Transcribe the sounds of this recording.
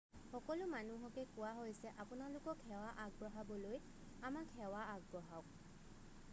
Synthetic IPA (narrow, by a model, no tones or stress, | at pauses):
xɔkɔlʊmanuɦɔkɛkʊwaɦojsɛʔapʊnalʊkɔkhɛwaʔaɡ̚bɹɔɦabɔloj | amakhɛwaaɡ̚bɹɔɦawk